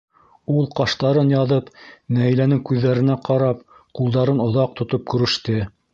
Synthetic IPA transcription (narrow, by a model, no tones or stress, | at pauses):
ulˠqɑʃt̪ɑɾɤnjɑðɤpnæhɘ̆jlænɘŋkʉðːæɾɘ̆næqɑɾɑp̚ | qulˠd̪ɑɾɤnŏðɑq̚t̪ŏt̪op̚kɵ̆ɾɘ̆ʃt̪ɘ